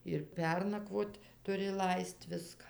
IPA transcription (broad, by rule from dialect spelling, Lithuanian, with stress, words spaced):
ɪr ˈpʲɛrnɐkʋoːt tʊˈrʲɪ ˈlˠɐɪst ˈʋʲɪskɐ